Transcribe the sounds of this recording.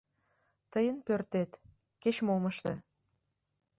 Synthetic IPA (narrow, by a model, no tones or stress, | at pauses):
t̪əjənpørt̪et̪ | ket͡ɕmoməʃt̪ə̰